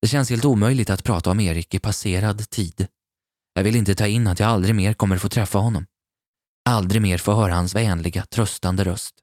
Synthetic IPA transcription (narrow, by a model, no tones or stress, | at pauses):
d̪̥ɛɕɛnsheːlt̪uːmœjlɪɡ̚t̪at̪pʰɾɑːt̪aɔmeːɾɪkɪpʰaseːɾad̪t̪ʰiːd̪ | jɑːɡvɪlɪnt̪ət̪ʰɑːɪnːat̪jaːɡald̪ɾɪɡmeːɾkʰɔmːəɾfoːt̪ʰɾɛfːaɦɔnːɔm | ald̪ɾɪɡmeːɾfoːɦœːɾahansvɛːnlɪɡat̪ʰɾœst̪and̪əɾœst̪